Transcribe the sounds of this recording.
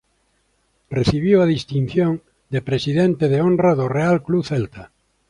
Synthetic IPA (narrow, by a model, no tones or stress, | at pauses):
reθiβ̞iwaðist̪in̟θjõŋ | d̪epɾesiðent̪eðeõnraðʊrealkluθɛlt̪a